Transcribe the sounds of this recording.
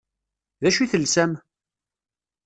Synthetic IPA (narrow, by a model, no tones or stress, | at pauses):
ðæʃiθəlsæm